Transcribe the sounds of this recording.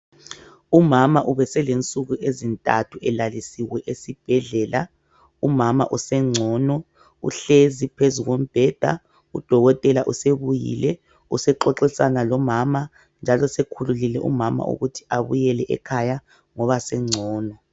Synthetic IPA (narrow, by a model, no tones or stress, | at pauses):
umamaʔuβɛsɛlent͡sʼuɣuʔezintʼa̰tʰuɛlalisiwɛʔesib̥ʱɛɮɛla | umama̰ʔusɛŋ͡ǀʱɔːnɔ | ṵɬezipʰezuɣom̩b̥ʱɛd̥ʱa̰ | ud̥ʱɔɣɔtʼɛlaʔuseβujḭlɛ | usɛǃɔǁisanalɔmama | nd͡ʒʱalɔsekʰululilɛʔṵmama̰ʔṵɣutʰi̥aβujɛlɛʔɛ̰kʰaja | ŋɔβasɛŋ͡ǀʱɔːnɔ